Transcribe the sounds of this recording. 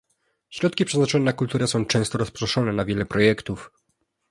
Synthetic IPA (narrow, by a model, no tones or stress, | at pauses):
ɕɾɔt̪kʲipʂɛznat͡ʂɔnɛnakult̪uɾɛsɔ̃w̃t͡ʂɛ̃w̃st̪ɔɾɔspɾɔʂɔnɛnavʲjɛlɛpɾɔjɛkt̪uf